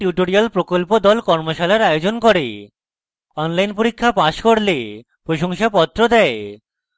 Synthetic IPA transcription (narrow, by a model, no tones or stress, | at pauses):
ʈjuʈoɾialpɾokolpod̪ɔlkɔɾmoʃalaɾajod͡ʑonkoɾe | ɔnlajnpoɾikʰːapaʃkoɾle | pɾoʃoŋʃapɔt̪ːɾod̪ɛe